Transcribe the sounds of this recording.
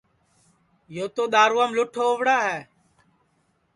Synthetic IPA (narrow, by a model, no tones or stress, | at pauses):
joːt̪oːɗ̪aːɾuːəmlʊʈʰoːʊʋɽaːɦɛː